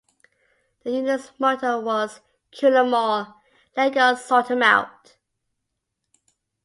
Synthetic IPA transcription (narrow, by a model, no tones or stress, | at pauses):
ðəjʉnəsmɔˑtəwɔz̥ | kʰjʉləmɔ | lɛɡəsɔtə̃ma̰ʊt